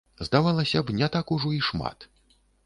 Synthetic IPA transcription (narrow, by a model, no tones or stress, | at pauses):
zd̪avalˠɐsʲɐbnʲɛt̪akuʐɔiʂma̰t̪